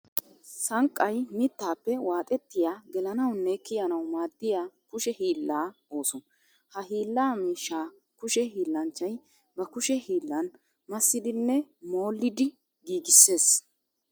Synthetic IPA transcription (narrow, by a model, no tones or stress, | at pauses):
sɐŋkʼːɐjmɪt̪ːaːpːɛwaːt̪ʼɛt̪ːɪjaːɡɛlɐnɐwnːekːɪjɐnɐwmaːd̪ːɪjaːkʊʃɛhiːlːaːo̞ːsɔn | hɐɦiːlːaːmiːʃːaː | kʊʃɛɦiːlːɐnt͡ʃːɐj | bɐkʊʃɛhiːlːɐn | mɐsːɪd̪ɪnːɛmo̞ːlːɪd̪ɪ | ɡiːɡɪsːe̞ːs